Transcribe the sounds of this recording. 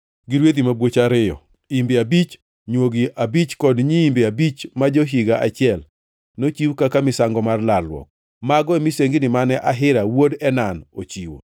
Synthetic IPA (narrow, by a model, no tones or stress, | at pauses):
ɡɪɾwet̪̬imabwot͡ʃaɾɪjɔ̰ | imbeabit͡ʃ | ɲwoɡiʔabit͡ʃkɔdɲiːmbeabit͡ʃmad͡ʒoɦiɡaʔat͡ʃɪɛl | not͡ʃiwkakamɪsaŋɡɔmarlalwɔ̰k̚ | maɡɔɛmɪseŋɡinɪmanɛʔaɦɪɾawodɛnano̰t͡ʃiwo̰